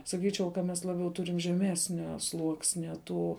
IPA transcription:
sɐˈkʲiːt͡ʃʲɛʊ kɐ ˈmʲɛs lˠɐˈbʲɛʊ ˈtʊrʲɪm ʒʲɛˈmʲæːsʲnʲoː ˈslˠuɔksʲnʲɛ ˈtuː

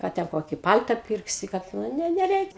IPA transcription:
ˈkɑː tʲɛn ˈkoːkʲiː ˈpɐlʲtɐ ˈpʲɪrksʲɪ kɐt ˈnʊ nʊ nʲɛˈrʲɛɪkʲ

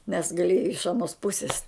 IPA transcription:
nʲɛs ɡɐˈlʲiɛjɛ ɪʃ ɐˈnoːs ˈpʊsʲɪs

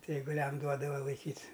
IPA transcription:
ˈtɐɪ ɛɪɡʊˈlʲɛm ˈduɔdɐʋɐ lˠɐɪˈkʲiːtʲ

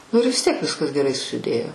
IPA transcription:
nʊ ɪr ʋʲɪs ˈtʲiɛk ˈʋʲɪskɐs ɡʲɛˈrɐɪ sʊsʲɪˈdʲeːjoː

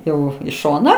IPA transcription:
ˈjɛʊ iː ˈʃoːnɑː

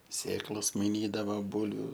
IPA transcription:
ˈsʲeːklˠoːs mɐɪˈnʲiːdɐʋɐ ˈbuːlʲʋʲʊ

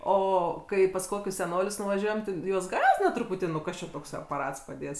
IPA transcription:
ˈoː ˈkɐɪ pɐs ˈkoːkʲʊs sʲɛˈnoːlʲʊs nʊʋɐˈʒʲuɔjɛm tʲɪ ˈjuɔs ˈɡɑːzʲdʲɪnɐ trʊˈpʊtʲiː nʊ ˈkɐs t͡ʃʲɛ toːkˈsɐɪ ɐpɐˈrɐts pɐˈdʲeːts

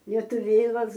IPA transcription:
lʲiɛtʊˈʋʲeːlˠɐs

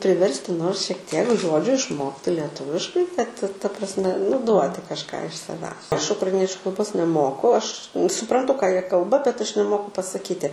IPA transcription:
pʲrʲɪˈʋʲɛrʲsʲtʲɪ ˈnoːrs ʃʲiɛk ˈtʲiɛk ˈʒoːd͡ʒʲʊ ɪʃˈmoːktʲɪ lʲiɛˈtʊʋʲɪʃkɐɪ kɐt tɐ prɐsʲˈmʲɛ nʊ ˈduɔtʲɪ kɐʃˈkɑː ɪʃ sɐˈʋʲæːs ˈɐʃ ʊkrɐɪˈnʲiɛt͡ʃʲʊ kɐlˠˈboːs nʲɛˈmoːkʊ ˈɐʃ sʊprɐnˈtʊ kɑː ˈjiɛ ˈkɐlˠbɐ bʲɛt ˈɐʃ nʲɛˈmoːkʊ pɐsɐˈkʲiːtʲɪ

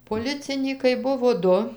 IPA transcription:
poːˈlʲɪt͡sʲɪnʲiːkɐɪ ˈbʊʋoː ˈdʊ

